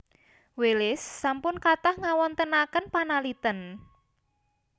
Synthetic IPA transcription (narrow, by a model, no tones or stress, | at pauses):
welɪsːampʊnkat̪ahŋawɔnt̪ənakənpanalit̪ən